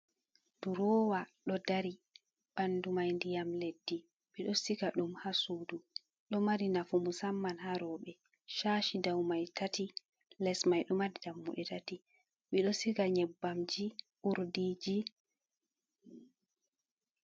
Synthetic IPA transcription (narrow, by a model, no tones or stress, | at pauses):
d̥uɾɔːwaɗɔdaɾi | ɓandumajndijamledːi | ɓiɗɔsikaɗumhasuːdu | ɗɔmaɾinafumusamːanhaɾɔɓɛ | ʃaːʃidawmajtʰati | lɛsmajɗɔmadidamːṵɗɛtati | ɓiɗɔsikaɲɛbːamd͡ʒi | ʔuɾdid͡ʒi